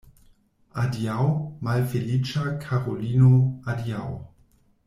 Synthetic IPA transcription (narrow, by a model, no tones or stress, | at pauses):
adjawmalfelit͡ʃakʰaʁolinoadjaw